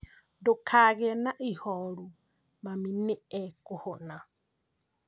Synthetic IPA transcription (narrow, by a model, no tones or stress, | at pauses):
dokʰaɣɛnaʔihɔɺu | maminɪɛkʊhona